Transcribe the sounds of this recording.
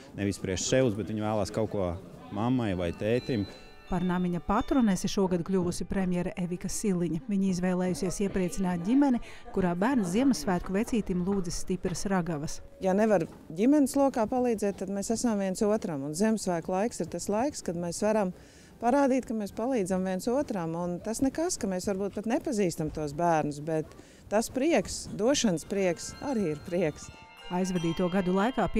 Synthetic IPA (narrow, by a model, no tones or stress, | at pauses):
nevispɾiɛʃʃɛw̪sbɛt̪ʋiɲvæːlˠaːskawkuɔ | mamːajva̰jt̪ɛːt̪im | paɾnamiɲɐpat̪ɾunesiʃuɔɡad̪uklʲuʋusipɾemʲjɛɾʔevikɐsilˠiɲivʲiɲiizvɛjlˠɛːjusiɛsiɛpɾiɛt̪sinaːt̪̚ɟʲimɛni | kuɾaːbæːɾnziɛmɐsʋæːt̪kuvet̪siːt̪imlˠuːd̪zisːt̪ipɾɐsɾaɡaʋɐs | janevaɾ | ɟʲimɛnɪslˠuɔkaːpalˠiːzɛːt̪ːad̪meːsæsamviɛnsuɔt̪ɾamunziɛmsʋæːklˠajksiɾt̪aslˠajkskad̪meːsʋaɾam | paɾaːd̪iːt̪kɐmeːspalˠiːdzamviɛnsuɔt̪ɾamunt̪asnɛkaskɐmeːsvaɾbuːt̪̚pat̪nepaziːst̪amt̪uɔs̬bæːɾnusbɛt̪ː | aspɾiɛksd̪uɔʃanspɾiɛksaɾiːiɾpɾiɛks | ajzvɛd̪iːt̪uɔɡad̪ulˠajkaːp